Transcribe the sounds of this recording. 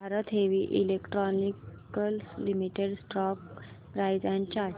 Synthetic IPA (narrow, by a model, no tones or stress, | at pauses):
aɾət̪ɦeʋiʔḭlekʈɾɔnikkəlslimiʈeɽsʈɔk̚ | pɾajd͡zãɲt͡ɕa